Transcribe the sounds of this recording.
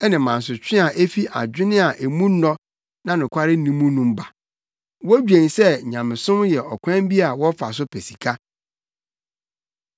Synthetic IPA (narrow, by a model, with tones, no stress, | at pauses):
ɛ˦nɪ̃˨mã˨n˨s̬ʊ˨t͡ɕᶣɪ̃˦a˨ʔe˦fi˦ʔa̰˨d͡ʑᶣɪ˦nɪ̃˦a˨ʔe˨mũ˦nɔ̃˦ | nã˦nʊ̃˨kʷʰa˦ɾɪ˦nĩ˦mũ˦nũ˦m̩˦ba˨ | wɔ˦d͡ʑᶣẽ˨n˨sɛ˦˨ɲã˨mɪ̃˨sʊ̃˦mjɛ˨ʔɔ˨kʷʰɛ̃˦m˦bi˦a˨wɔ˦fa˨s̬ʊ˦pʰæ˨si̥˨kʰa˦